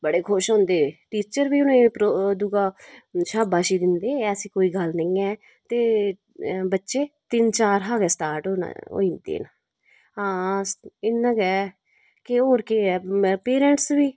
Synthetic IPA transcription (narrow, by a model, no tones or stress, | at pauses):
bəɽeːkʰʊʃɦõːnd̪eːʈiːt͡ʃəɾʋiːʊnẽːpɾod̪ʊɡaːʃaːbaːʃiːd̪ɪnd̪eːɛːəsĩːkoːiːɡəlnəĩːɛː | t̪eː | bətːʃeːt̪ɪnt͡ʃaːɾɦaːɡɛːsʈaːɾʈːɦo̰ːind̪ḛːnaː | ãːsɪnãːɡɛː | kɪɦoːɾkeːɛːpeːɾɛ̃ːɳʈsʋiː